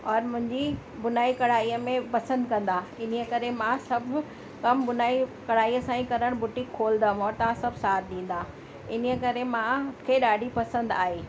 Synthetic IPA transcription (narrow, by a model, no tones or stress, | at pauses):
ɔːɾmʊ̃ɦɪ̃ɲd͡ʑi | bʊnaːikɐɽaːiːəmẽpɐsə̃nd̪kɐ̃nd̪aɪn̤iəkɐɾemãsɐbʱ | kɐmbʊnaːikɐɽaːiːəsãːĩkɐɾəɽ̃bʊʈikʰːoːld̪ə̃mɔːɾt̪ɐʋãsɐbʱsaːt̪̚ʰɗ̪ĩːn̆d̪aː | ɪniəkɐɾemãkʰeːɗaːɖʱipɐsə̃nd̪aːɦeː